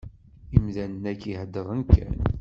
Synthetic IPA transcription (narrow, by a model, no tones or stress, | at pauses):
imðænənækːihəd̪ːəʁənkːæ̰n